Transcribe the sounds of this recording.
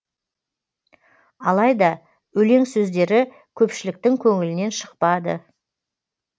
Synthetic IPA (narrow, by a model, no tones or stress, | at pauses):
ɑlˠɑjd̪ɑ | wɵle̞ŋsɵzd̪e̞ɾɪ | kʲʰɵpʃɪlɪk̚t̪ɪŋkʲʰɵŋɪlɪne̞nʃə̥qpɑd̪ə̰